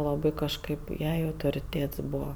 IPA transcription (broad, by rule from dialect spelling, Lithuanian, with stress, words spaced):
lˠɐˈbɐɪ kɐʃˈkɐɪp ˈjɛɪ ɐʊtoːrʲɪˈtʲeːts ˈbuːʋɐ